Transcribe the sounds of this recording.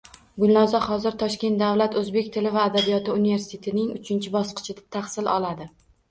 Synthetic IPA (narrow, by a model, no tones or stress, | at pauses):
ɡʊlnɒzɒχɒzɪɾt̪ʰɒʃkʲe̞nt̪̚d̪avlat̪ɵzbe̞kʲt̪ʰɪlɪvaːd̪abijɒt̪ɪunive̞ɾsɪt̪ʰe̞t̪ʰɪnɪŋʊ̰t͡ʃʰɪnt͡ʃʰɪbɒsqɨ̥t͡ʃʰɪd̪ḁt̪ʰaχsɪlɒlad̪ɪ